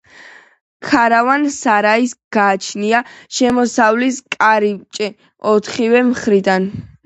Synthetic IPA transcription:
kʰaɾavansaɾaisɡ̥aːt͡ʃʰniaʃɛmɔsavliskʼaɾit͡ʃʼɛ | ɔt̪ʰχivɛmχɾid̪an

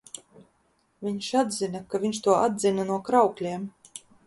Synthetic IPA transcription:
vʲiɲʃad̪zʲinakavʲiɲʃt̪uɔʔad̪zinanuɔkɾawklʲiɛm

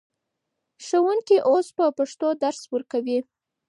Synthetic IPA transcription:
ʂəwuŋkiʔospəpaʂt̪od̪aɾswəɾkawi

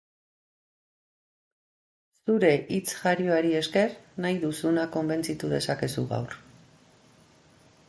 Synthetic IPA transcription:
suɾe̞ʔit͡sʝaɾioaɾie̞ske̞ɾnajðusunako̞mbe̞nt͡sit̪uð̞e̞sake̞suɣa̰wr

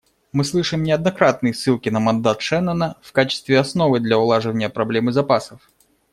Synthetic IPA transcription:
mɨslˠɨʂɨmnʲɪɐd̪nɐkɾat̪nɨjsːɨlˠkʲɪnəmɐnd̪at̪ʂɛnənəfkat͡ɕɪ̥st̪vʲɪɐsnovɨd̪lʲɐʊlˠaʐɨvənʲɪjəpɾɐblʲemɨzɐpasəf

